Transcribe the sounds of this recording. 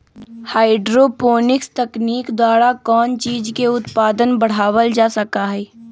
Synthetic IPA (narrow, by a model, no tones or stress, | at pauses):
haːɪɖɾoːpoːnɪkst̪ɐkniːkd̪waːɾakɔːnt͡ʃiːd͡ʒkeʊt̪paːd̪ənbɐɽ̤aːwəld͡ʒaːsɐkaɦɛː